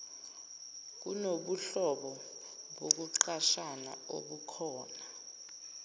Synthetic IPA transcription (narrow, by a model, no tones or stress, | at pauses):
k̬ṵnoɓuɬɔɓɔ | ɓok̬uǃaʃana̰o̰ɓukʰɔːna